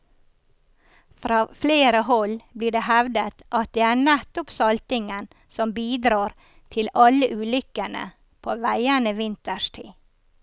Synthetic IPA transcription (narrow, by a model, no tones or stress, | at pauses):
fɾɑːfleːɾəhɔlbliːɖeːhɛʋd̪ət̪ʔɑt̪̚d̪eːæːɳæt̪ʊpsɑlt̪ɪŋən | sɔmbiːd̪ɾɑːɾ | t̪ʰɪlɑləʔʉːlʏkənə̰ | pʰoːʋæɪənəʋɪnt̪əʃʈʰḭː